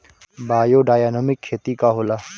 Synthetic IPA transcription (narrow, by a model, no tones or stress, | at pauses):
baːjoːɖaːjaːnəmɪkʰːeːt̪ikaɦoːlaː